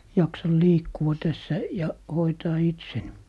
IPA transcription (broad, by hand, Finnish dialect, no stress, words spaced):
jɑksɑl liːkːuɑ tæsːæ jɑ hoitɑː itsen